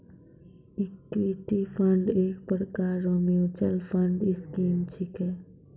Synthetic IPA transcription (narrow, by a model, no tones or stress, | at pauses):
ikʈiʈipʰəɳɖeːk̚pəɾkaɾːomiut͡ʃəlpʰəɳɖiskiːmt͡ʃʰikɛ